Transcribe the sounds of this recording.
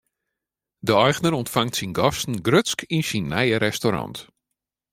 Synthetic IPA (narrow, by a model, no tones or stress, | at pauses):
dəɔjɣnəɾɔntfaŋtsinɡɔstn̩ɡrøtskʰinsinːɛjəɾɛstoɾɑ̰nt